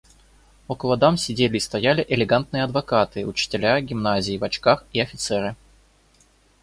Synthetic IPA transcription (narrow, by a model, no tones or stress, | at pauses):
okəlˠɐd̪amsʲɪdʲelʲɪːst̪ɐjælʲɪʔɪlʲɪɡant̪̚nɨjəɐd̪vɐkat̪ɨʊt͡ɕɪ̥tʲɪlʲaɡʲɪmnazʲɪːvɐt͡ɕkaxiɐfʲɪt̪sɛɾɨ